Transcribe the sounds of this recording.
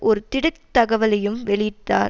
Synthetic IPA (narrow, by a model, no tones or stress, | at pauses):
ʔɔɾɯt̪ɪɽɯk̚t̪ɐɣɐʋɐlɐjɯmʋɛɭɪʈ̪ːaː